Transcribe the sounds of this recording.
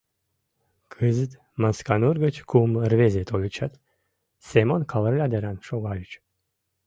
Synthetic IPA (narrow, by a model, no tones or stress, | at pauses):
kʰɨzɨt̪ | manskanuɾɡət͡ʃkʰumrvʲezʲet̪ʰolʲit͡ʃʰat̪ | sʲemonkʰalɾɨlʲad̪eɾanʃoɡalʲit͡ʃ